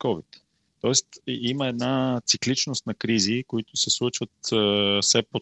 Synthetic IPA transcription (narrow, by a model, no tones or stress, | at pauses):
kɔvḭt̪ː | ɔɛst̪iməɛd̪nat̪siklit͡ʃnost̪nɐkɾizikoit̪ʊsɛslˠut͡ʃvət̪sɛpo